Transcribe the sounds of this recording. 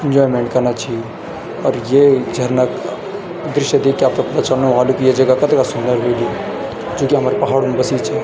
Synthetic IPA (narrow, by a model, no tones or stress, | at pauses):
ɪ̃nd͡ʒɔːjmẽɳʈ̚kɐɾnat͡ʃae | ɔːɾjed͡ʒʱɐɾnək | d̪ɾɪʃjəd̪ekːiaːp̚t̪opɐt̪at͡ʃɐlnuɦũɦaːlukijed͡ʒɐɡakɐt̪akasʊnd̪əɾɦoili | d͡ʒoːkiɦɐmaːɾepɐɦaːɽumbɐsit͡ʃʰa